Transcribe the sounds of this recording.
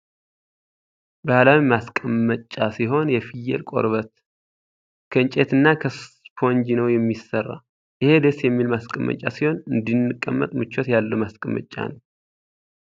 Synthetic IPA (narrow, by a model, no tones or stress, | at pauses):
bəalawimaskʼəmːət͡ʃʼːasiɦo̞njɛfijːɛ̰lkʼo̞̰ɾβət̪ | kʰəɨnt͡ʃʼet̪ɨnːakʰə | pʰond͡ʒinəwjɛmːisərːa̰ | ʔɪhe̞d̪esjɛmːilmaskʼəmːə̰t͡ʃʼːa̰siho̞nɨnd̪inːɨkʼːəmːə̰t̪ʼmɨt͡ʃːot̪jalːəmaskʼəmːə̰t͡ʃʼːa̰nəw